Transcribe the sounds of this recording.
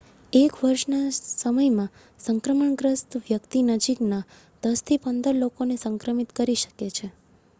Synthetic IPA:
ekʋəɾʃnasəməjmã | səŋkɾəməɳɡɾəst̪ʋjəkt̪inəd͡ʒikna | d̪̥əst̪ʰipənd̪əɾlokonesəŋkɾəmit̪kəɾiʃə̥ket͡ʃʰe

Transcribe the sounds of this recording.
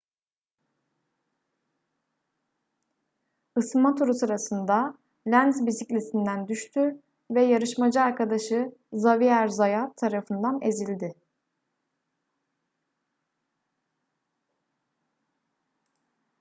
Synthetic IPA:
ɯsmat̪ʰuɾusɯɾasɯnd̪a | lʲænzbisicʲlʲesind̪ænd̪yʃt̪ʰyɾ | vɛjaɾɯʃmad͡ʒɯaɾkʰad̪aʃɯzaviæɾzajat̪ʰːaɾafɯnd̪ane̞zilʲd̪ɪ

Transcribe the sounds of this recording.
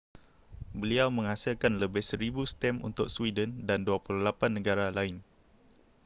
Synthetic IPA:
bəliawmə̃ŋhasilkanləbɪhsəɾibust̪ɛmṵnt̪ʊk̚swidəndanduapululapanːəɡaɾalaɪn

